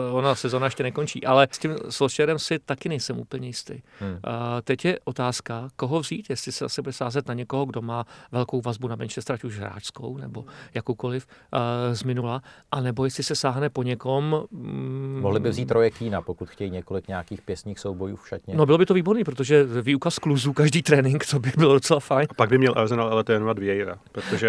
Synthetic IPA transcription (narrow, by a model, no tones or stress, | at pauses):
onasɛzoːnajɛʃcɛnɛko̞nt͡ʃḭːʔalɛscɪmsoʃt͡ʃɛɾɛmsɪt̪akɪnɛjsɛmṵːpl̩ɲɛjɪst̪ɛj | t̪ɛcjɛʔo̞t̪aːskako̞ɦo̞vziːt̪jɛslɪsɛasɪbudɛsaːzɛt̪naɲɛko̞ɦoɡdo̞maːvɛlko̞wvazbunamɛnʃɛst̪ɾacuʒɦɾa̰ːʃsko̰wnɛbo̞jakowko̞lɪfzmɪnulaʔanɛbojɛst̪lɪsɛsaːɦnɛpo̞ɲɛko̞m | moɦlɪbɪvziːt̪ɾojɛkiːnapokut̪xcɛjiɲɛkolɪkɲɛakiːxpjɛsɲiːxsowbojuːfʃat̪ɲɛno̞bɪlo̞bɪt̪o̞viːboɾniːpɾot̪̬o̞ʒɛviːukaskluzuːkaʒdiːt̪ɾɛːnɪŋkt̪obɪbɪlodo̞t͡sɛlafajnapaɡ̚bɪmɲɛlʔa̰ɾzɛnalalɛt̪ɾɛːnovad̪vjɛjɾapɾot̪oʒɛ